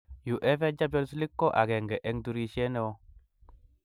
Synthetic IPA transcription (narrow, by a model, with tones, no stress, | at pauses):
ju˨ʔe˦fe˦d͡ʒa˦be˦lsli˦kːo˦ʔa˨ɡe˨ŋɡɛ˨ʔe˦ŋdu˨ɾi˦ʃe˦ne˦˨wo˦